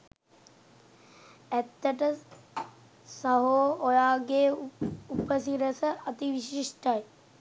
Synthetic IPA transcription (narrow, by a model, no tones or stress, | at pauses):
æt̪ːəʈə | saɦoːojaːɡeːupəsiɾəsəʔɐt̪iʋiɕiʂʈaj